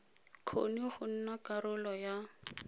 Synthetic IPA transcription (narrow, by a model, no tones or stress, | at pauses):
kʰo̰niχʊn̩nakaɾʊlɔja